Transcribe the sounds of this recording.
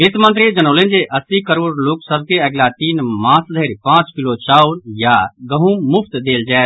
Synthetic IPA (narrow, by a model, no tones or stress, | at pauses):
eːt̪mə̃nt̪ɾid͡ʒənoːlẽnd͡ʒeʔɐsikəɾoːɽloːksəb̚ʱkeəɡlat̪iːnmãːsd̪ʱəɾpãːt͡ʃkɪlot͡ʃaːuɾjaɡəɦũmʊpʰt̪d̪eːld͡ʒaː